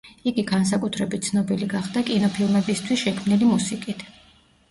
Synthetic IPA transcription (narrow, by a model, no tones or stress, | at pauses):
iɡiɡans̬akʼut̪ʰɾɛbit̪̚sʰnɔbiliɡaχd̪̥akʼinɔpʰilˠmɛbist̪ʰwisʃɛkʰmnilimusikʼit̪ʰ